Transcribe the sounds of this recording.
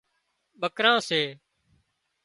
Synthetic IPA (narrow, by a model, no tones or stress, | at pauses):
ɓəkɾãːseː